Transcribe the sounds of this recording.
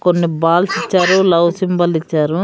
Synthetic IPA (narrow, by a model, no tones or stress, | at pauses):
konːibaːlsit͡ʃːaːɾulɐwsimbɐlit͡ʃːaːɾu